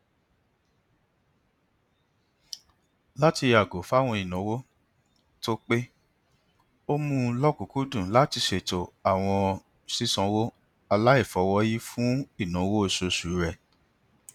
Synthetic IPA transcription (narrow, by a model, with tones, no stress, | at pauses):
la˦ti˧ja˨ɡo˨˦fa˦˨w̃ɔ̃˧i˨nɔ̃˨˦wo˦ | to˦k͡pe˦ | o˦mũ˦lɔ˦ku˨ku˦dũ˦˨la˦ti˧ʃe˨to˨a˨w̃ɔ̃˧ | si˦sɔ̃˧wo˦ | a˧la˦i˦˨fɔ˨˧˦wɔ˦ji˦fũ˦i˦˨nɔ̃˨˦wo˦e˦˨so˧su˨˦ɾɛ˦˨